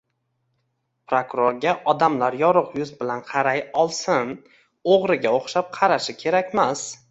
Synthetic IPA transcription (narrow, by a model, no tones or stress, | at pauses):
pɾokɾoɾɡʲaʔɒd̪amlaɾjɒɾʊqjʊzbɪlanqʰɑɾajɒlˠsɪn | oʁɾɪɡʲaoχʃap̚qʰɑɾaʃɪkʲʰe̞ɾakʲmas